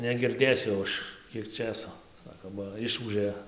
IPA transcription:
nʲɛɡʲɪrʲˈdʲeːsʲʊ jɛʊ ˈɐʃ ˈkʲiɛk ˈt͡ʃʲeːsoː ˈsɑːkoː bɐ ˈɪʃuːʒʲeː

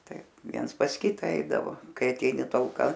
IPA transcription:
ˈtɐɪp ˈʋʲiɛns pɐs ˈkʲɪtɐ ˈɛɪdɐʋoː ˈkɐɪ ɐˈtʲɛɪnʲɪ tɐlˠˈkɐ

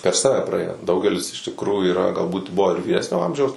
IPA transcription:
pʲɛr ˈsɑːʋʲɛ prɐˈeːjoː ˈdɐʊɡʲɛlʲɪs ɪʃ tʲɪkˈruːjuː iːˈrɐ ɡɐlˠˈbuːt ˈbʊʋoː ɪr ʋʲiːˈrʲæːsʲnʲoː ˈɐmʲʒʲɛʊs

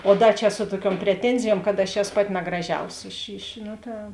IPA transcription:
oː ˈdɐ t͡ʃʲɛ ˈsʊ tuɔˌkʲuɔm pʲrʲɛˈtʲɛnʲzʲɪjuɔm kɐt ɐʃ ˈæːsoː ˈpɑːˌtʲɪ nɐɡrɐˈʒʲɛʊsʲɪ ɪʃ ɪʃ ˈnoː ˈtɐ

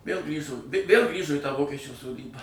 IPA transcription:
ʋʲeːlˠ ˈɡrʲiːʒʊ ʋʲeːlˠ ˈɡrʲiːʒʊ iː tɑː ˈʋoːkʲɛt͡ʃʲuː soːˈdʲiːbɑː

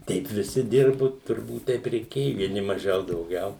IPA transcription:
ˈtʲɛɪp ʋʲɪˈsʲɪ ˈdʲɪrbʊ tʊrˈbuːt ˈtʲɛɪp rʲɛɪˈkʲeːjʊ ʋʲiɛˈnʲɪ mɐˈʒʲɛʊ dɐʊˈɡʲɛʊ

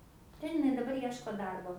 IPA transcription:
ˈtʲɛn ɪˈnɐɪ dɐˈbɐr ˈiɛʃkoː ˈdɐrboː

